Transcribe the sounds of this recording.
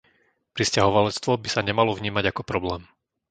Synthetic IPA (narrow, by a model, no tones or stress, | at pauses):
pɾiscaɦɔʋalɛt͡st̪ʋɔbisaɲɛmalɔvɲiːmaɟakɔpɾɔblɛːm